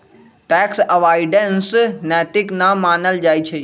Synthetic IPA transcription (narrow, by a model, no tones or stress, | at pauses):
ʈɛːksɐʋaːɪɖənsnɛːt̪ɪknamaːnəld͡ʒaːjt͡ʃʰeː